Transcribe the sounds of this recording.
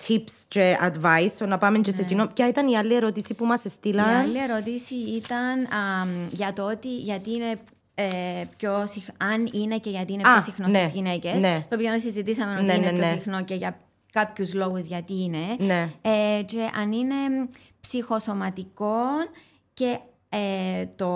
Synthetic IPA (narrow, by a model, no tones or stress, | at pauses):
t̪ʰipst͡ʃeɐd̪vɐjstonɐpɐment͡ʃesecinocɐit̪ɐniɐlːie̞ɾo̞t̪isipumɐse̞st̪ilɐɐlːieɾo̞t̪isiit̪ɐnɐʝɐt̪oot̪iʝɐt̪iːne̞ | epçosixɐnine̞ceʝɐt̪iineosixnosezʝinece̞set̪oːpionɐsizit̪isɐmenoteineeosixno̞ce̞ʝɐ | kɐpçuzlo̞ɣuzʝɐt̪iːne̞neeceʔɐnine̞ | psixo̞so̞mɐt̪ikon | ce̞ | et̪o